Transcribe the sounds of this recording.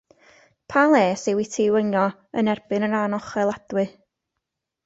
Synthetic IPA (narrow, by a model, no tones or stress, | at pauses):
pʰalˠeːsɪwitʰɪwənjɔ | ə̰nɛrb̥ɨnənanɔχɛlˠad̥wɨ